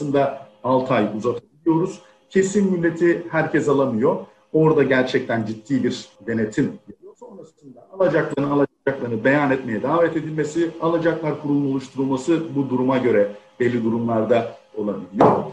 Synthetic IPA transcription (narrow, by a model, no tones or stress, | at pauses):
sɯnd̪a | alˠt̪ʰajuzat̪ʰabilʲijo̞ɾuz̥ | cʰe̞sinmylʲːe̞t̪ʰihæɾcɛzalˠamɯjo̞ | o̞ɾd̪aɟæɾt͡ʃʰɛc̚t̪ʰænd͡ʒit̪ʰːiːbiɾd̪e̞ne̞t̪ʰimjalijo̞so̞nɾasɯnd̪aalˠad͡ʒaklˠaɾnɯalˠad͡ʒaklˠaɾnɯbe̞janɛt̪me̞jɛd̪aːvɛt̪e̞d̪ilʲme̞sialˠad͡ʒaklˠaɾkʰuɾulˠuno̞lˠuʃt̪ʰuɾulˠmasɯbud̪uɾumaɟø̞ɾɛb̥ɛlʲːid̪uɾumlˠaɾd̪ao̞lˠabilʲijoɾ